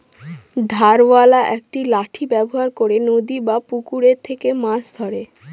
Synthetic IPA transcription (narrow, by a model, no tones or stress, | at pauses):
d̪ʱaɾwalaʔɛkʈilaʈʰibɛboɦaɾkoɾenod̪ibapukuɾeɾt̪ʰekemãsd̪ʱɔɾe